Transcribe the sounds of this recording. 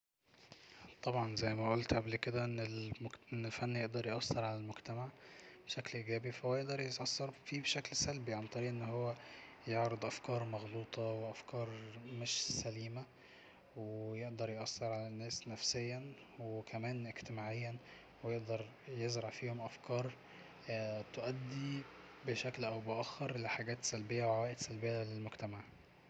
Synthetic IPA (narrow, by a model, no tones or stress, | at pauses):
t̪ˤɑbʕɑnzæjːmæʔolt̪ʔablked̪æʔenːelʔenːelfænːjeʔd̪ɑɾˤjʔɑsːɑɾˤʕalælmoɡt̪æmaʕbʃæklʔiːɡæːbifæowːjeʔd̪ɑɾˤjetʔɑsːɑɾˤfiːbeʃæklsælbiʕant̪ˤɑɾiːʔenːɦowːæ | joʕɾed̪ˤʔæfkɑːɾˤmɑɣluːt̪ˤɑweʔæfkɑːɾˤmeʃsæliːmæ | wejeʔd̪ɑɾˤjʔɑsːɑɾˤʕalænːæːsnæfsejːæ | wekʰæmæːnʔeɡt̪emaːʕejːæ | wejeʔd̪ɑɾˤ | jezɾɑʕfiːhomʔæfkʰɑːɾˤ | t̪oʔæd̪ːi | beʃæklʔæwbeʔæxːɑɾˤleħaɡæːt̪sælbejːæwwæːʔed̪sælbejːælelmoɡt̪æmaʕ